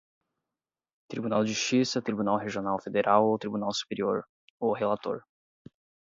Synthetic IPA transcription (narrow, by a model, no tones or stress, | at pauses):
t̪ɾibunawʒʒuʃt͡ʃisɐt̪ɾibunawɦeʒionawfed̪eɾʔawot̪ɾibunawsu̥peɾioɾ | oɦelat̪o̰ɾ